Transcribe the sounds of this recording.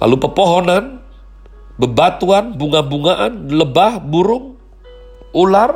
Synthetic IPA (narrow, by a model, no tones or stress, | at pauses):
lʔa̰lupərpɔɦɔnan | bəbat̪uanbuŋabuŋaʔanləbahbuɾʊŋ | ular